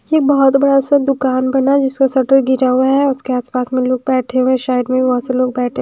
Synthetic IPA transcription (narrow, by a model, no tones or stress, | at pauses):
jeːk̚bɔɦʊt̪bɐɽasad̪ʊkaːnbɐnad͡ʒɪskasɐʈəɾɡɪɾaɦuaɦɛʊskeaːspaːsmẽloːɡ̚bɛːʈʰẽẽʃaːəd̪mẽbiʋɐɦt̪seloːɡ̚bɛːʈʰẽ